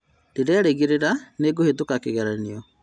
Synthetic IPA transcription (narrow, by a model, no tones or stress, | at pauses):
dedeaɾeɣiɾeɾaneɡohetokakeɣɛɾaniɔ